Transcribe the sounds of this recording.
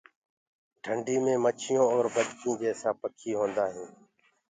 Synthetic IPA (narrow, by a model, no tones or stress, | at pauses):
ʈʰəɳɖiːmẽːmət͡ʃʰɪjõːɔːɾbəd̪kĩːd͡ʒeːsaːpəkʰiːɦõːnd̪aːɦẽː